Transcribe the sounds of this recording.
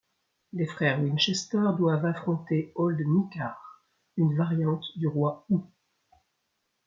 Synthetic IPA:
lefχɛʁwinʃɛst̪œʁd̪wavafχɔ̃t̪eɔld̪mikʲaʁ | ynvaʁjɑ̃t̪d̪yʁwau

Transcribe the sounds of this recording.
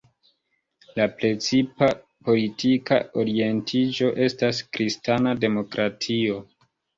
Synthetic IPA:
lapɾe̞t͡sipa | po̞litʰika̰o̞ɾie̞ntʰid͡ʒo̞ʔe̞staskɾʔistanade̞mo̞kɾatʰio̞

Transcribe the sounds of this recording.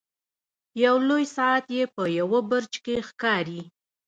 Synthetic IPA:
jawlojsɑat̪jepəjawəbəɾt͡ʃkexkɑɾi

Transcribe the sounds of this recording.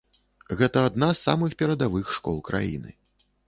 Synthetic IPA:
ɣɛt̪ɐad̪nasːa̰mɨxpʲɛɾɐd̪avɨxʂkɔ̰lˠkɾʔa̰jḭnɨ̰

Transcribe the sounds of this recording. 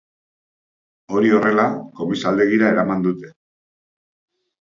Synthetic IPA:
o̞ɾio̞re̞lako̞misald̪e̞ɣiɾaeɾamand̪ut̪e̞

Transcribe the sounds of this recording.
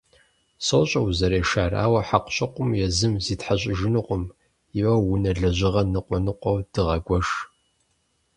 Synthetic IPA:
soːɕʼɐwzɐɾeːʃaːra̰ːwɐħaqʷɕʼɐqʷʼʊmjɛzɨmziːtħaɕʼɪʒɪnɨqʷʼʊm | jɪwɐwʊnɐɮɐʑʷɪʁɐnɨqʷʼɔnɨqʷʼɔwd̥ɨʁɐɡʷɔʒ

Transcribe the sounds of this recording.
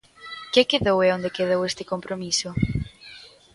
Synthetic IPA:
kekeðoweond̪ekeðowest̪ɪ̥kompɾʔomisʊ

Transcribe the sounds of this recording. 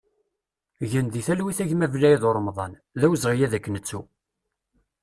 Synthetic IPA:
ʝənðiθælwiθæʝmævlæjiðoɾˤːmðˤɑn | ðæwzʁijæðækːnət͡sːu

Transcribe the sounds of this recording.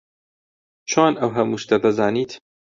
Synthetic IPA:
t͡ʃʰoːnʔɐwɦɐmuʃt̪ɐd̪ɐzaːniːt̪

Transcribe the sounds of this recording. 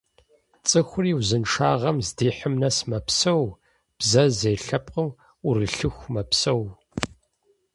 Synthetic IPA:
t͡sʼɨxʷʊriːwzɨnʈ͡ʂʰaːʁɐmzdiːħəmnɐsmɐpsɐw | b̥zɐzeːɬɐp̚ʼqəm | ʊrɨɬɨxʷmɐpsɐw

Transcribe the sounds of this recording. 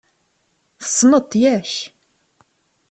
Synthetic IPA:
θə̥sˤːnət̪ˤːjæç

